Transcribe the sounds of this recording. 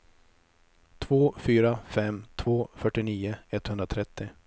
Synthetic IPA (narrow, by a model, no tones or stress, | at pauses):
t̪ʰvoːfyːɾafɛmːt̪ʰvoːfœʈːɪniːʊɛt̪ːhɵnd̪ɾat̪ʰɾɛt̪ːɪ